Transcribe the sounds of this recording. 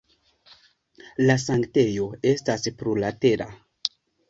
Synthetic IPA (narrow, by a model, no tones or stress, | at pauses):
las̬aŋkte̞jo̞e̞staspɾulate̞ɾʔa̰